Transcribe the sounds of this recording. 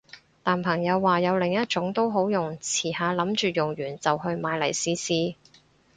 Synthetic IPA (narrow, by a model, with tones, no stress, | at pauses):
t̪aː˨npʰɐ˨˩ŋjɐ˨˧wːaː˨jɐ˨˧wlɪ˨˩ŋjɐ˥t̚t͡ʃʊ˨˥ŋt̪o˥wɦo˨˥wjʊ˨ŋt͡sʰiː˨˩haː˨˧lɐ˨˥mt͡ʃyː˨jʊ˨˩ŋjyː˨˩nt͡sɐ˨whɵ˧ɥmaː˨˧jlɐ̰˨˩jsiː˧siː˧